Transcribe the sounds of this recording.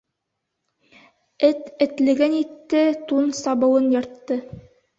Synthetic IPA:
ɘt̪ɘ̆t̪lɘ̆ɡænit̪ːɘt̪unsɑβɤ̆wɤnjɤ̆ɾt̪ːɤ

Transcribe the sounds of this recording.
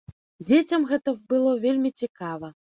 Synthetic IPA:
d͡zʲet͡sʲɐmɣɛt̪ɐbɨlˠɔvʲelʲmʲit͡sʲikavɐ

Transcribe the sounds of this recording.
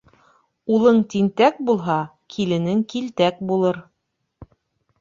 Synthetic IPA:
ulˠɤɴt̪int̪æk̚bulˠɦɑ | kʰilɘ̆nɘŋkilt̪æk̚bulˠɤɾ

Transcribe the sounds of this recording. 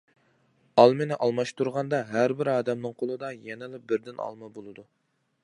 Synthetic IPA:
ɑlˠmenɪʔɑlˠmɑʃt̪uɾʁɑnd̪ɑɦæɾbɪɾɑːd̪ɛmnɨŋqʰolˠɨd̪ɑjɛnɪlɪp̚bɪɾd̪ɪnɑ̰lˠmɨbolˠɨd̪u

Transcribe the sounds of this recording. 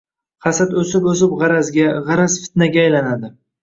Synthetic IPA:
qʰɑsat̪ɵsɪpɵs̬ɪpʁɑɾazɡʲaʁɑɾazfɪ̥t̪̚naɡʲaːjlanad̪ɪ

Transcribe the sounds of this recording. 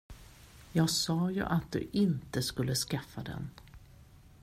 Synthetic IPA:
jɑːɡsɑːjɵ̰ʔat̪̚d̪ɵ̰ʔɪnt̪əskɵlːəskafːad̪ɛ̰n

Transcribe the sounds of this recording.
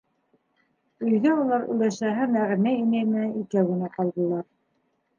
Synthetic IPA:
ɵ̆jðæulˠɑɾɵ̰̆j̪æʃæɦæmæʁnæinæjmɘ̆nænikæwɡɘ̆næqɑlˠd̪ɤ̆lˠɑɾ

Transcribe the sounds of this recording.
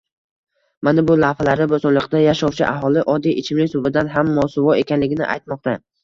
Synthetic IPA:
manɪbʊlahalaɾɪbʊsɒɾlˠɨqd̪ajaʃɒwt͡ʃʰɪ̰ʔa̰ɦɒlˠɪʔɒd̪ːijʔɪt͡ʃʰɪmlɪŋsʊbɪd̪anɦamːɒsʊvɒe̞kʲʰanlɪɡʲɪnɪ̰ʔa̰jt̪mɒq̚t̪a

